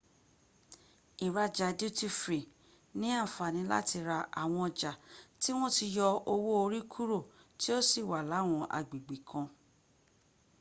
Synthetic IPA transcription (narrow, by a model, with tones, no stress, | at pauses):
i˨ɾa˧d͡ʒa˨du˦ti˦fɾi˨ | nĩ˨˦a˦˨fa˨nĩ˨˧˦la̰˦ti˧ɾa˧ʔa̰˨w̃ɔ̃˧ɔ˧d͡ʒa˨ti˦w̃ɔ̃˦ti˧jɔ˧o˧wo˦o˧ɾi˦kʰu˦ɾo˦˨ti˦o˦si˦˨wa˨la˨˦˨w̃ɔ̃˧ʔa̰˨ɡ͡bi˨ɡ͡bi˨kʰã˧